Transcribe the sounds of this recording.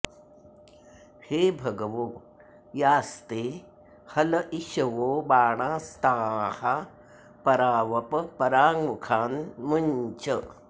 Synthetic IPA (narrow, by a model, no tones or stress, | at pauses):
heːbʱɐɡɐʋoː | jaːst̪eː | hɐlɐʔiʃɐʋoːbaːɳ̃aːst̪aːha | pɐɾaːʋɐpɐpɐɾaːŋmukʰaːnmuɲt͡ʃɐ